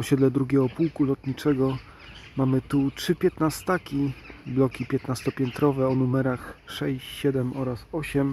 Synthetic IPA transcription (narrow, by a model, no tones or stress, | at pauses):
ɔɕɛd̪lɛd̪ɾuɡʲɛɔpuwkulɔt̪ɲit͡ʂɛɡɔ | mamɘt̪utʂɘpʲjɛt̪nast̪akʲiblɔkʲipʲjɛt̪nast̪ɔpʲjɛnt̪ɾɔvɛɔnumɛɾaxʂɛɕt͡ɕɕɛd̪ɛmɔɾasɔɕɛm